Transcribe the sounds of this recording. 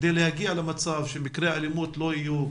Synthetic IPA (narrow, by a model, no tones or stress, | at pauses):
d̪ejlehaɡialamat͡savʃemikɾeaalimut̪loiju